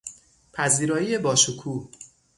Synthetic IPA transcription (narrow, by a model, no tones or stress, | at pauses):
pʰæziːɾɒːjije̞bɒːʃukʰuː